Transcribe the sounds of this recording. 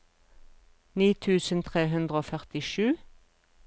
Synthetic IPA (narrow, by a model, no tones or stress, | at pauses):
niːt̪ʰʉːsənt̪ʰʁeːhʉnd̪ʁəoːfœʁt̪ɪʃʉː